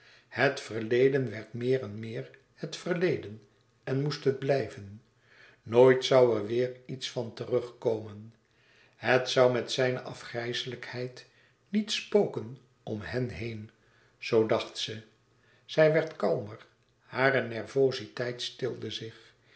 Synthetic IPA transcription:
hətfərlejdənʋɛɹtmɪːrɛnmɪːɹ | hətfərlejdən | ɛnmustɦəd̚blɛjvənː | oːjtsʌwɛɹʋɪːɹitsfɑntərɵχkowmən | ɦətsʌwmɛtsɛjnə̰ʔɑfχrɛjsələkhɛjt | nitspoːkən | ɔmhɛnɦejn | z̥owdɑχtsə | z̥ɛjʋɛɹtkɑlˠməɹ | haːɾənɛɹvowzitɛjtstɪlˠdəzɪχ

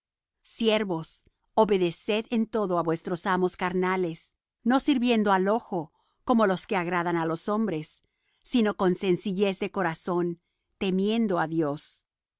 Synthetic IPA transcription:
sjeɾβo̞s | oβe̞ðe̞se̞ðent̪o̞ðo̞aβwe̞st̪ɾosamo̞skaɾnale̞s | no̞siɾβje̞nd̪oalo̞xo | ko̞mo̞lo̞ske̞aɣɾaðanalo̞so̞mbɾe̞sː | ino̞ko̞nse̞nsiʝe̞zðe̞ko̞ɾaso̞n | t̪e̞mje̞nd̪oaðjo̞s

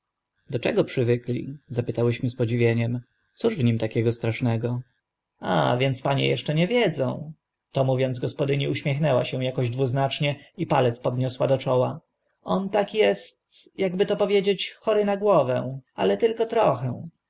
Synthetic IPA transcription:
d̪ɔt͡ʂɛɡɔpʂɘvɘklʲḭzapɘt̪awɘɕmɘspɔd͡ʑivʲjeɲɛm | t̪suʐvɲimt̪akʲɛɡɔst̪ɾaʂnɛɡɔ | a̰vʲjɛnt̪spaɲɛ̰jɛʂt͡ʂɛɲɛvʲjɛd̪zɔ̃w̃ | t̪ɔmuvʲjɔnzɡɔspɔd̪ɘɲiuɕmʲɛxnɛwa̰ɕɛ̃w̃jakɔʑd̪vuznat͡ʂɲɛipalɛt̪spɔd̪ɲɔswad̪ɔt͡ʂɔwa | ʔɔnt̪akjɛst̪jaɡbɘt̪ɔpɔvʲjed͡ʑet͡ɕxɔɾɘnaɡwɔvɛw̃a̰lɛt̪ɘlkɔt̪ɾɔxɛw̃

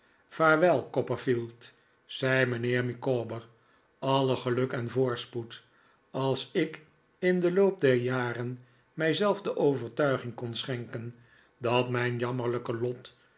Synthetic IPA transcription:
v̥aːɹʋɛlˠkɔpəfilˠt | sɛjmənɪːɹmikobəɹ | ɑləχəlɵkɛnvʊːɹsput | ɑlˠsɪk | ɪndəlowp̚dɛɹjaːrən | mɛjzɛlˠfdəʔowvəɹtœɥχɪŋkɔnsχɛŋkən | dɑtmɛjnjɑməɹləkəlɔt

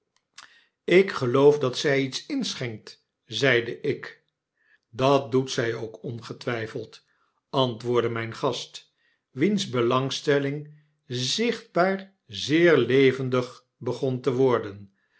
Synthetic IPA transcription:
ɪkχəlowfdɑtsɛjitsɪnsχɛŋk̚t | zɛjdəʔɪk | dɑt̚dutsɛjowkɔnχətʋɛjfəlˠt | ɑntʋʊːɹdəmɛjnχɑst | ʋinzbəlɑŋstɛlɪŋ | zɪχd̚baːɹ | zɪːɹlejvəndəχ | bəχɔntəʋɔɹdən

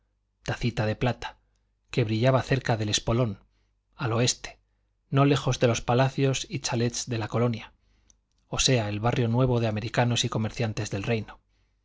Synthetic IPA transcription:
t̪aθit̪að̞e̞plat̪ḁ | ke̞βɾiʎaβaθe̞ɾkaðe̞le̞spo̞lo̞n | alo̞e̞st̪e̥ː | o̞le̞xo̞zðe̞lo̞spalaθjo̞sit͡ʃale̞t̪sðe̞lako̞lo̞nja | o̞se̞ae̞lβarjo̞nwe̞β̞o̞ðe̞ame̞ɾikano̞siko̞me̞ɾθjant̪e̞zðe̞lre̞jno

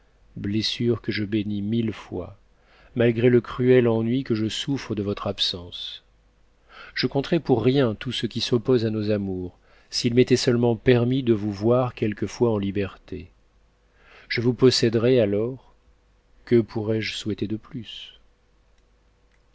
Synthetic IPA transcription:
blesyʁkəʒəbenimilfwa̰ | malɡʁeləkχyɛlɑ̃nɥikəʒəsufχəd̪əvɔt̪χapsɑ̃s | ʒ̥əkɔ̃t̪χɛpuʁːjɛ̃t̪usəkʲisɔpozanozamuʁ | silmet̪ɛsœlmɑ̃pɛʁmid̪əvuvwaʁkʲɛlkəfwaɑ̃libɛʁt̪ḛ | ʒ̥əvupɔsɛd̪ʁɛalɔʁ | kəpʰuʁɛʒswɛt̪ed̪əplys

